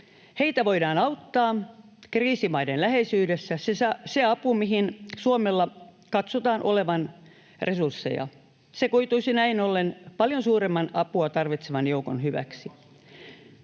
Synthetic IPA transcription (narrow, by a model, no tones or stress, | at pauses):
he̞it̪æʋoidɑːnɑut̪ːɑːkriːsimɑidenlæhesyːdesːæsesseɑpumiɦinsuomelːɑ | kɑt̪sot̪ɑːnʔo̞leʋɑn | rʔe̞sursːḛjɑ̰ | sekuit̪uisinæinolːenpɑljonsuːɾemːɑnɑpuɑt̪ɑrʋit̪seʋɑnjouko̰nhyʋæ̰ksi